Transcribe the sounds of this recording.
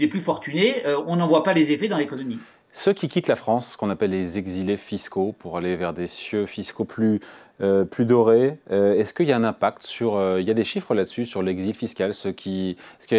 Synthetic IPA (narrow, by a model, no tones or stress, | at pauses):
leplyfɔʁt̪yneøɔ̃nɑ̃vwapalezefɛd̪ɑ̃lekɔnɔmi | səkʲikʲit̪lafχɑ̃skɔ̃napɛlːezeɡzilefiskopuʁalevɛʁd̪esjøfiskoplyøplyd̪ɔʁeøɛskəiljaɛ̃nɛ̃pak̚t̪syʁøiljad̪eʃifχəlad̪əsysyʁlɛɡzilfiskʲalsəkʲʰisk